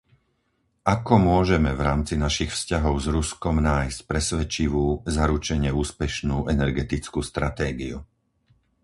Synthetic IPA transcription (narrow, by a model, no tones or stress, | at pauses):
ʔakɔmʊɔʒɛmɛvɾaːmt͡sinaʃixfscaɦɔʊzɾuskɔmnaːjscpɾɛsʋɛt͡ʃiʋuːzaɾut͡ʃɛɲɪɛuːspɛʃnuːʔɛnɛɾɡɛt̪it͡skuːst̪ɾat̪ɛːɡiṵ